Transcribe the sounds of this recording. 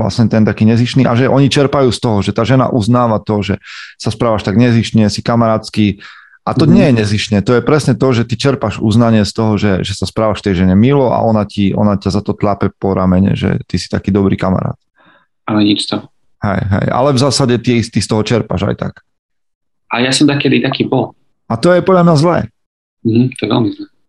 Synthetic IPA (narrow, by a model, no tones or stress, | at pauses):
la̰sɲɛt̪ɛnt̪akiːɲɛziʃniʔaʒɛʔɔɲit͡ʃɛɾpajuːst̪ɔɦɔʒɛt̪aːʒɛna̰ʔuznaːʋat̪ɔʒɛsaspɾaːʋaʃt̪aɡɲɛziʃɲɛsikamaɾaːt͡ski | ʔat̪ɔɲɪɛjɛɲɛziʃɲɛt̪ɔjɛpɾɛsɲɛt̪ɔʒɛt̪it͡ʃɛɾpaʒṵznaɲɪɛst̪ɔɦɔʒɛʒɛsaspɾaːʋaʃft̪ɛjʒɛɲɛmilɔʔa̰ʔɔnaciʔɔ̰nacazat̪ɔt̪ʎapɛpɔɾamɛɲɛ̰ʒɛ̰t̪isi̥t̪akiːd̪ɔbɾḭːkama̰ɾa̰ːt̪ | alɛɲit͡ʃst̪ɔɦɔ | hɛ̰jɦɛ̰ja̰lɛvzaːsaɟɛt̪iɛst̪ist̪ɔɦɔt͡ʃɛɾpa̰ʒa̰jt̪a̰k | ajasɔmd̪akɛd̪it̪akiːbɔl | at̪ɔjɛpɔdʎamɲazlɛ̰ː | m̩ɦm̩t̪ɔjɛʋɛ̰lmizlɛ